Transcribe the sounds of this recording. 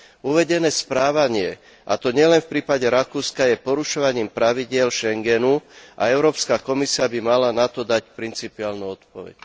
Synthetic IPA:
uʋɛɟɛnɛːspɾaːʋaɲɪɛ | ʔa̰t̪ɔɲɪɛlɛnfpɾiːpaɟɛɾakuːskajɛpɔɾuʃɔʋaɲiːmpɾaʋiɟɪɛlʃɛŋɡɛnuʔa̰ɛʊɾɔːpskakɔmisiabimalanat̪ɔd̪acpɾint͡sipiaːlnuɔt̪pɔʋɛ̰c

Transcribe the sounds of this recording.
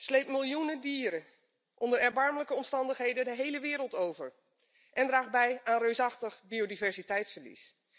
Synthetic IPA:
slejpmɪlˠjunədiːɾə | ʔɔndəɹɛɹbɑɹmələkəɔmstɑndəχɦejdədəɦejləʋɪːɾəlˠtowvəɹ | ʔɛndraːχbɛjaːnrøɥsɑχtəχbiodivɛɹsitɛjtsfəɹlḭs

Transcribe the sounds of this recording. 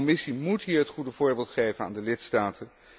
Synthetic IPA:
mɪsimutɦiːɹɦətχudəv̥ʊːɹbɪːlˠtχejvəna̰ːndəlɪtstaːtʰən

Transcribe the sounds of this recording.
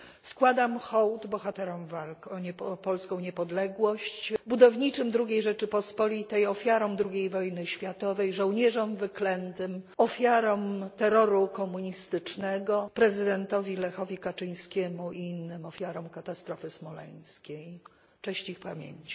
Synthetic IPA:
skwad̪amxɔwt̪bɔxat̪ɛɾɔmvalkɔɲɛpɔlskɔ̃w̃ɲɛpɔd̪lɛɡwɔɕt͡ɕbud̪ɔvɲit͡ʂɘmd̪ɾuɡʲejʐɛt͡ʂɘpɔspɔlʲit̪ɛjɔfʲjaɾɔmd̪ɾuɡʲejvɔjnɘɕfʲjat̪ɔvɛjʐɔ̃w̃ɲɛʐɔmvɘklɛnt̪ɘmɔfʲjaɾɔmt̪ɛɾɔɾukɔmuɲist̪ɘt͡ʂnɛɡɔpɾɛzɘd̪ɛnt̪ɔvʲilɛxɔvʲikat͡ʂɘjɲ̃skʲɛmuʔiinːɘmɔfʲjaɾɔmkat̪ast̪ɾɔfɘsmɔlɛ̰j̃skʲej | t͡ʂɛɕt͡ɕixpamʲjḛɲt͡ɕi̥

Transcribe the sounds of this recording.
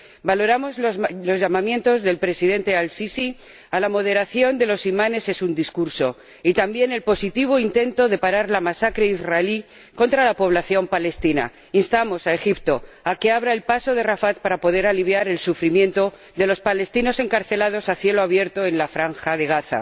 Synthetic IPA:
balo̞ɾamo̞zlo̞zʝamãmjẽ̞nt̪o̞zðe̞lpɾe̞sið̞e̞nt̪e̞alsisi | alamo̞ð̞eɾaθjo̞nd̪e̞lo̞simane̞se̞sund̪iskuɾso̞ | it̪ambje̞ne̞lpo̞sit̪iβ̞o̞int̪e̞nt̪o̞ðe̞paɾaɾlamasakɾe̞izraeli | kõ̞nt̪ɾalapo̞β̞laθjo̞mpale̞st̪ina̰ | inst̪amo̞sae̞xipt̪o̞ | ake̞aβɾae̞lpaso̞ð̞e̞rafat̪̚paɾapo̞ð̞e̞ɾaliβ̞jaɾe̞lsufɾimje̞nt̪o̞ | ðe̞lo̞spale̞st̪ino̞se̞ŋkaɾθe̞lað̞o̞saθje̞loaβje̞ɾt̪oe̞nlafɾaŋxað̞e̞ɣ̞aθa̰

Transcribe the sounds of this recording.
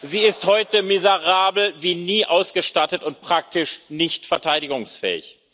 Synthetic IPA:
ziːɪsthɔʏtəmɪzəʁaːbl̩viːniːʔaʊsɡ̥əʃtatətʊnt̚pʁ̥ak̚tɪʃnɪçtfɛɐtʰaɪɾɪɡʊŋsfɛ̰ːɪ̰ç

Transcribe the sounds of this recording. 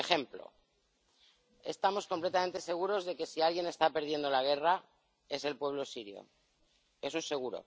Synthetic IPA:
exe̞mplo̰ | e̞̰st̪amo̞skomplet̪amẽ̞nt̪e̞se̞ɣ̞uɾo̞zðe̞ke̞sialɣje̞ne̞st̪ape̞ɾð̞je̞nd̪o̞laɣ̞e̞ra | e̞se̞lpwe̞βlo̞siɾjo̰ | e̞sunse̞ɣ̞uɾo̞̰

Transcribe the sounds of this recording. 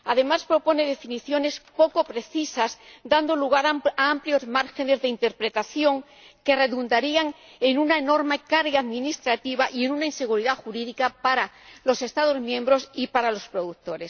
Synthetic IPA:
aðe̞maspɾo̞po̞ne̞ð̞e̞finiθjo̞ne̞spo̞ko̞pɾe̞θisazd̪and̪o̞luɣ̞aɾaampljo̞zmaɾxe̞ne̞zðe̞int̪e̞ɾpɾe̞t̪aθjo̞ŋ | ke̞re̞ðund̪aɾiaŋ | e̞nunaeno̞ɾme̞kaɾɣaaðmĩnist̪ɾat̪iβaʔie̞nunainse̞ɣ̞uɾiðaxuɾiðikapaɾa | lo̞se̞st̪aðo̞zmjẽ̞mbɾo̞sipaɾalo̞spɾo̞ðuk̚t̪o̞ɾe̞s

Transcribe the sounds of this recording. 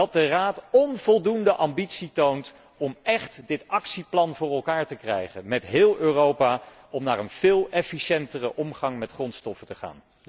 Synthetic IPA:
ɑt̚dəraːtɔnv̥ɔlˠdundəʔɑmbitsitownt | ɔmɛχtdɪtɑksiplɑnvʊːɹɛlˠkaːɹtəkrɛ̰jχənmɛtɦɪːlˠøːrowpaː | ɔmnaːɹənv̥ɪːlˠɛfiʃɛntərəʔɔmχɑŋmɛtχrɔnstɔfətəχa̰ːn

